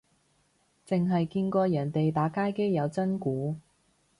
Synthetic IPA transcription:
t͡sɪ˨ŋɦɐ˨jkiː˧nkɔː˧jɐː˨˩nt̪e˨jt̪aː˨˥kaː˥jke˥jjɐ˨˧wt͡sɐ˥nkuː˨˥

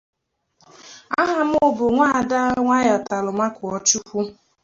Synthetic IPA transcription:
a˦ɦa˨m̩˦ʊ˦bʊ˨ŋʷa˦˨da˦ŋʷa˦jɔ˨ta˨lʊ˨ma˦kʊ˨ɔ˨t͡ʃu˦kʷu˦

